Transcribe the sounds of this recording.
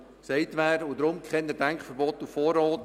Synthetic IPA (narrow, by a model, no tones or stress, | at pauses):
sɛɪtʋæːɾod̪ɾʊmkχɛnəd̥æŋkχfəɾbɔt̪ufɔːɾɔːt